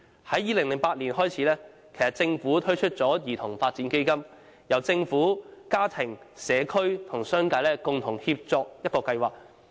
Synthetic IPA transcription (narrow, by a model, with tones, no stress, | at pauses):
hɐ˨˥jːiː˨˧lɪ˨˩ŋlɪ˨˩ŋpaː˧t̚liː˨˩nɦɔː˥jt͡sʰiː˨˥lɛː˥ | kʰe˨˩jsɐ˨˩t̚t͡sɪ˧ŋfuː˨˥t̪ʰɵ˥ɥt͡ʃʰɵ˥t̚t͡sɔː˨˥jiː˨˩t̪ʰʊ˨˩ŋfaː˧t̚t͡siː˨˥nke˥jkɐ˥m | jɐ˨wt͡sɪ˧ŋfuː˨˥kaː˥t̪ʰɪ˨˩ŋsɛː˨˧kʰɵ˥ɥt̪ʰʊ˨˩ŋsœː˥ŋkaː˧lɛː˥kʊ˨ŋt̪ʰʊ˨˩ŋhiː˧p̚t͡sɔː˧k̚jɐ˥t̚kɔː˧kɐ˧jwaː˨k̚